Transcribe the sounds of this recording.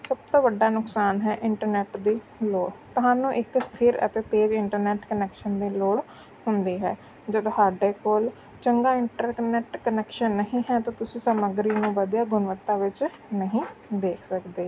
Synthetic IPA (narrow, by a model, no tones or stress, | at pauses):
səb̚t̪õːʋəɖaːnʊksaːnɦɛːʔɪɳʈəɾnɛːʈd̪iː | loːɽt̪ʊɦaːnũːʔɪkst̪ʰiːɾə̰t̪eːt̪eːd͡ʒɪɳʈəɾnɛːʈkənɛːkʃənd̪iːloːɽ | hʊnd̪iːɦɛ̰ː | d͡ʒədt̪ʊɦaːɖeːkoːl | t͡ʃəŋɡaːɪɳʈəɾknɛːʈkənɛːkʃənːəɦĩːɦɛːt̪ãːt̪ʊsĩːsəməɡɾiːnũːʋəd̪ijaːɡʊnʋət̪ːaːʋɪt͡ʃ | nəɦĩːd̪eːkʰsəkd̪eː